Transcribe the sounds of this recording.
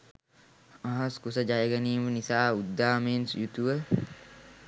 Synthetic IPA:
aɦɐskusəd͡ʒajəɡɐniːmənisaːud̪ːaːmeːnsjut̪uʋə

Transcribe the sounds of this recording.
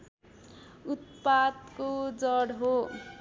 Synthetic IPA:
ut̪̚pad̪kod͡zʌɽɦo

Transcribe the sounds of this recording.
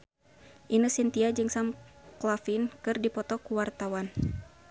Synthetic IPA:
ʔinɨsint̪iad͡ʒɨŋsamklafinkɨrdipɔt̪ɔkuwart̪awan

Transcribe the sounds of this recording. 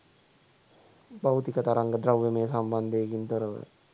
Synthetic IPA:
bawt̪ikət̪aɾaŋɡəd̪ɾawʋemeːsamband̪eːɡint̪oɾəʋə̰

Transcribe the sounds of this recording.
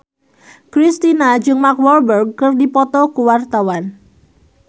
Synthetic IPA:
kɾist̪inad͡ʒɨŋmakwɔrbərɡ̚kərdipɔt̪ɔkuwart̪awan

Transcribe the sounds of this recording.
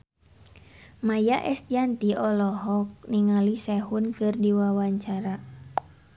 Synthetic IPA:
majaʔɛsd͡ʒant̪iʔɔlɔɦɔk̚niŋalisɛhunkɨrdiwawaɲt͡ʃaɾa

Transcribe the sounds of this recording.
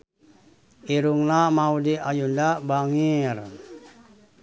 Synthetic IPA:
iɾuŋnamaudiʔajundabaŋir

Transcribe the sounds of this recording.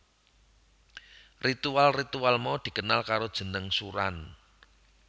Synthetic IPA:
rit̪ualrit̪ualmɔd̪̥i̤kənalkaɾod̥ʒ̥ə̤nəŋsuɾa̰n

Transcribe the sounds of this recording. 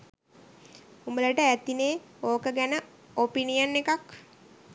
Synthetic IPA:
umbələʈəæt̪ineː | oːkəɡænə | opinijənːekak

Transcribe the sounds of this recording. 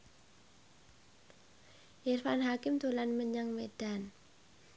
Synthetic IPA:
ʔɛrfanɦakɪmt̪ulanməɲaŋmed̥an

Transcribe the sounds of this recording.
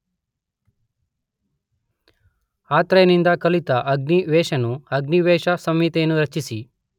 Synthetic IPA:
aːt̪ɾɐjɐnind̪ɐkɐlit̪ɐʔɐɡniʋeːʃɐnuɐɡniʋeːʃɐsɐmit̪eːnːuɾɐt͡ʃːisi

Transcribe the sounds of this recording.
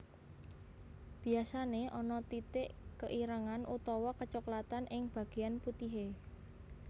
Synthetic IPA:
b̥i̤asaneʔɔnɔt̪it̪ɪʔkəʔiɾəŋanʔut̪ɔwɔkət͡ʃɔklat̪anʔɪŋb̥ä̤ɡ̥e̤janput̪iɦe

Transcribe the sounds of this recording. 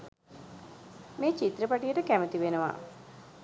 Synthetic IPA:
meːt͡ʃit̪ɾəpaʈijəʈəkæmət̪iʋenəʋa̰

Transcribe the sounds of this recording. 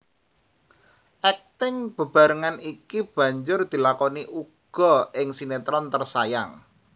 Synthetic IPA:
ʔɛk̚t̪ɪŋb̥ə̤b̥a̤ɾəŋanikib̥ä̤ɲd͡ʒʊrd̪̥i̤lakɔniʔuɡ̥ɔ̤ɪŋsinet̪ɾɔnt̪ərsajaŋ

